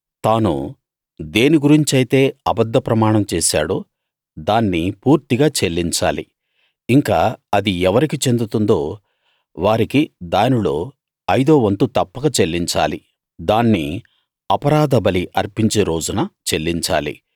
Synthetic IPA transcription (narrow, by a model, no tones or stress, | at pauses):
t̪aːnṵ | d̪eːniɡuɾiɲt͡ʃiɐjt̪e̞ːɐbɐd̪ʱːɐpɾɐmaːɳɐmt͡ʃeːsa̰ːɽu | d̪aːnːipuːɾt̪iɡaːt͡ʃe̞lːiɲt͡ʃa̰ːlḭ | iŋkaːɐd̪iɛʋɐɾikit͡ʃe̞nd̪ut̪und̪o̞ː | ʋaːɾikid̪aːnilo̞̰ː | ɐjd̪o̞ːʋɐnt̪ut̪ɐpːɐɡɐt͡ʃe̞lːiɲt͡ʃa̰ːli | d̪aːnːi | ɐpɐɾaːd̪ɐbɐliʔɐɾpiɲt͡ʃe̞ːɾo̞ːd͡ʒunɐt͡ʃe̞lːiɲt͡ʃa̰ːlḭ